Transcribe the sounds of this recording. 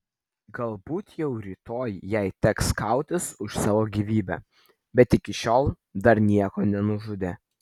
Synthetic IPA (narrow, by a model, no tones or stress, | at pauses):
ɡɐlˠbuːt̪jɛʊɾʲiːt̪oːjjɛɪt̪ʲɛkskɐˑʊt̪ʲɪsʊʃsɑːʋoːɡʲiːʋʲiːbʲɛ̰ | bʲɛt̪ɪkʲɪʃʲoːlˠ | d̪ɐɾnʲiɛkoːnʲɛnʊʒʊd̪ʲeː